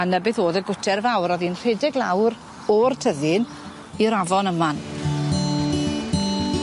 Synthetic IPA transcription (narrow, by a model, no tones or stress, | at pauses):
anəbɨθoːðəɡʊtʰɛrvawɾɔðinr̥edɪɡlˠawɾ | ɔrtʰəðɨn | iɾavɔnəman